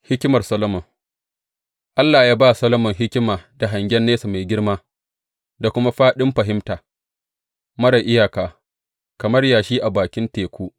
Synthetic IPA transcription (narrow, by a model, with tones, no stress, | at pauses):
hɪ˦kʲɪ˦mɐ˨rsɐ˦lɐ˦mɔ˨ŋ | ʔa˦lːaː˨jaː˦baː˦˨sɐ˦lɐ˦mɔ˨ŋɦɪ˦kʲɪ˦maː˨da˨ɦa˨ŋɡʲɛ˦nːeː˦sa˨ma˨jɡʲɪ˦ɽmaː˦ | da˨kʷʊ˦ma˦ɸaː˦ɗɪ˦mɸɐ˨ɦɪ˦mtaː˨ | mɐ˦ɽa˨ʔɪ˦jaː˨kaː˨ | kɐ˨mɐ˦rjaː˨ʃiː˦ʔa˨baː˨kʲɪ˦nteː˨kʷuː˦ʔ